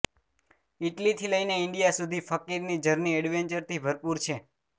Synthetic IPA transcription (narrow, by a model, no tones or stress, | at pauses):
ɪʈlit̪ʰiləjneɪɳɖijasud̪ʱifəkiɾnid͡ʒəɾniɛɽʋeɲt͡ʃəɾt̪ʰibʱəɾpuɾt͡ʃʰe